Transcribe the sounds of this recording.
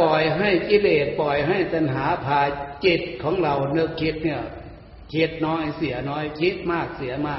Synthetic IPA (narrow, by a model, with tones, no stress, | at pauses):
pɔ˨˩jɦa˥˩jki˧˨leː˨˩t̪̚pɔ˨˩jɦa˥˩jt̪a˨nɦaː˨˦pʰaː˧˩t͡ɕe˧˩t̪̚kʰɔː˨˦ŋɾa˨˩wnɤ˧˩kʰːe˧˥t̪̚nɯ˧˩ɐ | kʰe˧˥t̪̚nɔː˧˥jsi˨˩˦ɐnɔː˦˥jkʰi˦˥t̪̚maː˧˥˩k̚si˨˩˦ɐmaː˧˩